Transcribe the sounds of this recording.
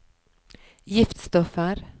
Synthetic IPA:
jɪft̪st̪ɔfəɾ

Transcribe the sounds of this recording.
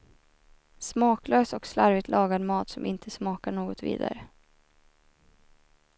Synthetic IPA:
smɑːkløːsɔkslaɾvɪt̪lʔɑːɡanmɑːt̪sɔmʔɪnt̪ʰəsmɑːkaɳoːɡɔt̪vḭːd̪a̰ɾə

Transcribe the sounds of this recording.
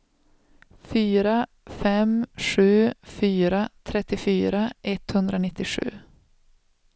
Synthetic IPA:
fyːɾa | fɛmʂʉ̟ːfyːɾat̪ʰɾɛt̪ːɪfyːɾaʔɛt̪hɵnd̪ɾanɪt̪ːɪʂʉ̰ː

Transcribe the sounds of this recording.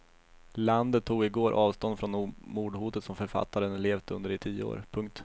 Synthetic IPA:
land̪ət̪ʰːuːɡɪɡoːɾʔɑːvst̪ɔnd̪fɾɔnmuːɖhuːt̪ət̪sɔmfœɾfa̰t̪ːaɾənleːvd̪əɵ̰nd̪əɾɪt̪ʰiːəo̰ːɾpʰɵŋk̚t̪

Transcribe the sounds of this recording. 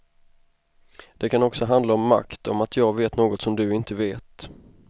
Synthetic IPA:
d̪̥ɛkʰanɔksɔɦand̪laɔmːa̰kt̪ʰɔ̰mat̪ʰjɑːɡveːt̪noːɡɔt̪sɔmd̪ɵɪnt̪əveːt̪

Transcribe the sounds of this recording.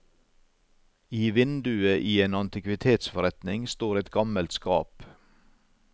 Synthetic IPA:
iːʋɪnd̪ʉəʔiːeːnɑnt̪ɪkʋɪt̪ʰeːt̪sfɔɾɛt̪nɪŋst̪oːɾɛt̪ɡɑməlt̪skɑ̰ːp

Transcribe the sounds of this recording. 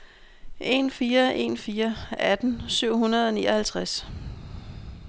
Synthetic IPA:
ʔe̝nfiːɐʔe̝̰nfiːɐæd̥n̩syʊ̰hunɐð̞̩ˠɒnḭːɐhælt͡sʰʁas

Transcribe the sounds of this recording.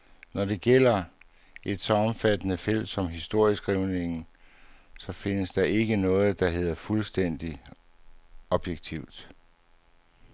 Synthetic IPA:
nɒɾe̝ɡ̥el̰ɐ | e̝d̥sɒ̽ɒ̽mfæd̥ənəfel̰d̥sɒ̽mɦisd̥o̝ɐ̰isɡ̥ʁiʊne̝ŋn̩ | sɒ̽fe̝nəsd̥ɑ̈ʔe̝ɡ̥ənɔ̽ːð̩ˠd̥ɑ̈ɦe̝ð̰ˠɐfulsd̥en̰d̥i | ɒ̽b̥jeɡ̥̚t͡sʰiʊ̰d̥

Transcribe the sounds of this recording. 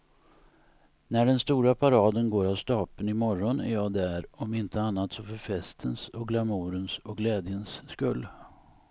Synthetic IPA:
næɖɛnst̪uːɾapʰaɾɑːd̪ənɡoːɾavst̪ɑːpənɪmɔɾːɔnæɾjɑːd̪æɾɔmɪnt̪ʰəanːat̪sɔfœɾfɛst̪ʰənsɔk̚ɡlamuːɾənsɔk̚ɡlɛːd̪jənsːkɵlː

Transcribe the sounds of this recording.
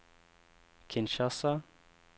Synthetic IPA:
kʰɪnʃasa

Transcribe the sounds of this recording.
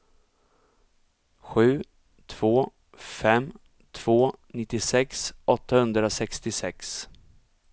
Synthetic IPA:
ɧʉ̟ː | t̪ʰv̥oː | fɛmː | t̪ʰv̥oːnɪt̪ːɪsɛksʔɔt̪ːahɵnd̪ɾasɛkst̪ɪsɛks

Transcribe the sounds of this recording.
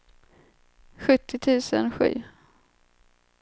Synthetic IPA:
ɧɵt̪ʰːɪt̪ʰʉ̟ːsənɧy̟̰ː

